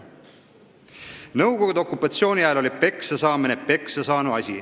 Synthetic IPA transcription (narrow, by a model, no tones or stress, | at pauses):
nɤwɡo̞ɡud̪̥o̞kːˑupːˑɑt̪sio̞ːnʲiæelo̞lipe̞ksesɑːminepe̞ksesɑːnuɑsʲi